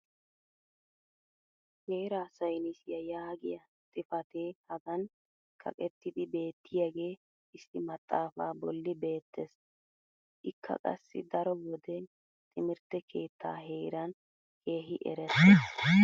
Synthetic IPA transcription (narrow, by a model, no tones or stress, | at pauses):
heːɾaːsɐjnɪsɪjɐjaːɡɪjɐ | t̪ʼɪfɐt̪ehɐɡɐn | kʰɐ̰kʼɛt̪ːɪd̪ɪbe̞ːt̪ːɪjaɡe̞ː | ɪsɪmɐt̪ʼːaːfaːbɔlːɪbe̞ːt̪ʰːɛs | ʔɪkʰːɐ̰kʼɐ̰sːɪ̰d̪ɐɾɔwɔd̪ɛ | t̪ʼɪmɪɾt̪ːɛkʰe̞ːt̪ʰːa̰ːɦeːɾɐn | kʰe̞ːɦɪʔɛ̰ɾɛs